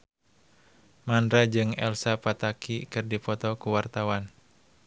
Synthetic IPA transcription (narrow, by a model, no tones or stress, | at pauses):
mandɾad͡ʒɨŋɛ̰lsapat̪akʰikɨrdipɔt̪ɔkuwart̪awan